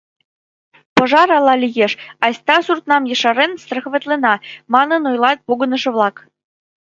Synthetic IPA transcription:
pɤ̆ʒɑɾɑlˠɑlʲijeʃɑsʲt̪ɑsurt̪nɑmjɤ̆ʃɑɾenst̪rə̆xβĕt̪lenɑmɑnə̆nojlɑt̪̚poɣɤ̆nə̆ʃɤ̆βlˠɑk

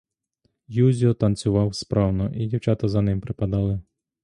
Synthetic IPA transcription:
juzʲiɔt̪ɐnt͡sʲʊʋɑwspɾɑwnɔʔidʲiwt͡ʃɑt̪ɐzɐnɪmpɾɪpɐd̪ɑlˠɪ

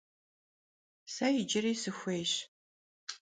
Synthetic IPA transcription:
sajɪd͡ʒɪriːsɨxʷejɕ

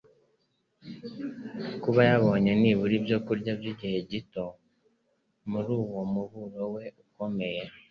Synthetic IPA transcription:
kuβajaβo̞ːɲe̞niːβuɾibjo̞kuɾɟabjiɟihe̞ɟito̞ | muɾuːwo̞muβuɾo̞we̞uko̞me̞je̞

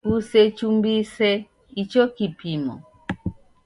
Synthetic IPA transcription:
usɛt͡ʃumbisɛ | it͡ʃɔkipimɔ̰

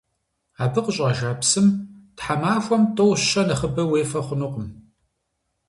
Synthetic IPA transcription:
aːbɨqəɕʼaʒaːpsɨmtħamaːfʷɔmtʰʼowɕɕɐnɐχəbɐweːfɐχʷʊnuqəm

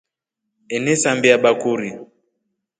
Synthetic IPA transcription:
ɛnɛsambiaɓakuɾi

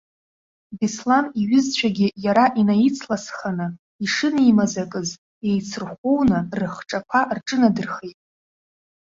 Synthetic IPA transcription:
bislaniɥʏzt͡ɕʷʰaɡʲɪjaɾaʔinajit͡sʰlasχanɨ | iʂɨnijmazakʼɨz | e̞jt͡sʰɨrχʷownɨrɨχʈ͡ʂʼakʷʰarʈ͡ʂʼɨnadɨrχejtʼ

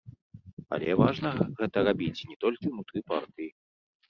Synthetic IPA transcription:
a̰lʲɛvaʐn̪ɐɣɛt̪ɐɾabʲit͡sʲnʲɛt̪ɔlʲkʲiwnut̪ɾɨpa̰rt̪ɨji

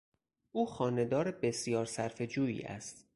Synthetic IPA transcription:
ʔuːxɒːne̞d̪ɒːɾebe̞sjɒːɾsæɾfe̞d͡ʒuːḭːʔæ̰st̪

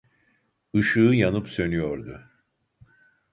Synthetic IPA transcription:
ɯʃɯːjanɯpsø̞nyjo̞ɾd̪ʊ̰

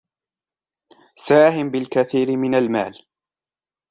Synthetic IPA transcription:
saːhɪmbɪlkaθiːɾɪmɪnalma̰ːl

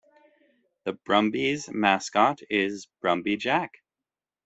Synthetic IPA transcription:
ðɨb̥ɹʌ̃mbizmæskɑɾɪzb̥ɹʌ̃mbid͡ʒæk

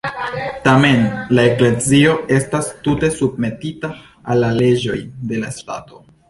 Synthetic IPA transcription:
tame̞nlae̞kle̞zio̞e̞stastute̞sub̚me̞titaː | lːale̞d͡ʒo̞jde̞lasta̰to̞

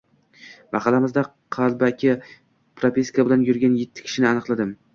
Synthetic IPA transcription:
mɑqɑlamɪzd̪a | qʰɑlˠbakʲʰɪ | pɾopʲiskabɪlanjʊɾɡʲanjet̪ʰːɪ̥kʲʰɪ̥ʃɪnɪanɨqlˠad̪ɪm

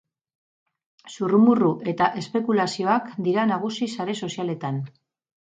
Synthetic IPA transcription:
surumuruʔe̞t̪aʔe̞spe̞kulasio̞akd̪iɾanaɣ̞usisaɾe̞so̞siale̞t̪an

